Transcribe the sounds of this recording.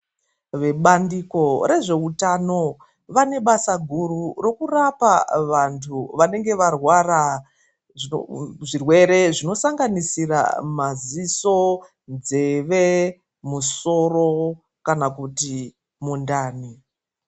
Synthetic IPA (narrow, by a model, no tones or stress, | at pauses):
ʋe̞ɓandiko̞ɾe̞ʐe̞utano̞ | ʋane̞ɓasaɡʱuɾurokurapaʋantʰuʋane̞ŋɡe̞ʋarwara | ʐḭʐirwe̞ɾe̞ʐino̞saŋɡanisira̰maziso̞ | nd͡ze̞ʋe | muso̞ro̞ | kanakuti | mundaːni